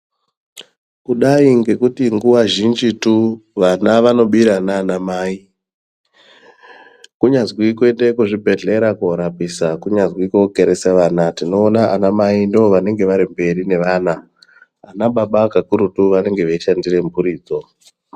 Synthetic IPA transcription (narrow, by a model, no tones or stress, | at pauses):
kuɗaiŋɡe̞kutiŋɡuʋaʒind͡ʒituʋanaʋano̞ɓiɾanaːnamaːi | kuɲazwike̞ndekuʐibʱe̞ɮe̞ɾakuoɾapisakuɲazwikoke̞ɾesaʋanatino̞ːnaʔanamaindiʋo̞ʋane̞ŋɡe̞ʋaɾimbe̞ɾine̞ʋaːnaː | naɓaɓakakuɾutuʋane̞ŋɡe̞ʋeiʃandire̞mbuɾiːd͡zo̞